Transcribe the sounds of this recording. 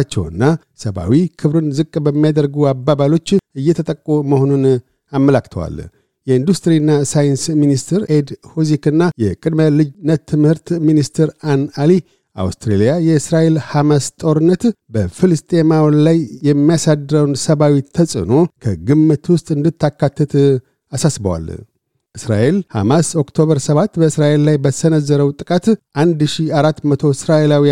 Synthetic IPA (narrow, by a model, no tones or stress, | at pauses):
at͡ʃːɛ̰wɨ̰nːa | səβa̰wikʰɨβɾɨnzɨkʼːbəmːijad̪əɾɡuabːabalo̞t͡ʃːɨjːɛt̪ʰət̪ʼəkʼːoməho̞nun | amːəlakːt̪ʰəwa̰l | jɛind̪ust̪ɾinːasajɨnsminist̪ʰɨɾed̪hozikɨnːajɛkʼɨd̪məlɨd͡ʒnət̪ʰːɨmhɨɾt̪minist̪ʰɨɾanali | ʔa̰wst̪ɾelijajɛɨsɾaʔelhamast̪ʼo̞ɾɨnːət̪bəfɨlɨst̪ʼemawlajːɛmːijasad̪ɨɾəwnsəβawit̪ʰːəsʼɨ̰no̞kʰəɡɨmːɨt̪wʊst̪ʼɨnd̪ɨt̪ʰːakʰːat̪ʰːət̪ | asasbə̰wa̰l | ʔɨsɾa̰ʔelha̰maso̞kt̪ʰo̞βəɾsəβat̪ːbəɨsɾaʔe̞lːajbəsənəzːəɾəwt̪ʼɨkʼat̪ʔand̪ʃiaɾat̪ːmət̪ʰo̞ɪsɾaʔelawi